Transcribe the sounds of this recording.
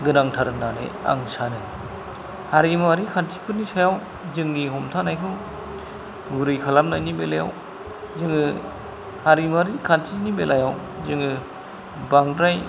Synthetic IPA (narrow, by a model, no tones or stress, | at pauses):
ɡɯnaŋtʰaɾɯnanɯ̰a̰ŋsanɯ | haɾimaɾikʰantʰi̥pʰɯnisajaw | zɯŋniɦɔmtʰanajkʰɯw | ɡuɾɯjkʰalamnajnibelaja̰w | zɯŋɯ | haɾimaɾikʰantʰinibelʔajaw | zɯŋɯ | baŋdɾaj